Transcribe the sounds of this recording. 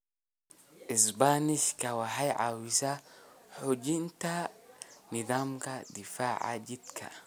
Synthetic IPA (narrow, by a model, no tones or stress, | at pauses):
ʔisbaniʃkawaɦajʕa̰wisaħud͡ʒint̪a | niðaːmkad̪ifaːʕa̰d͡ʒid̪kʰa̰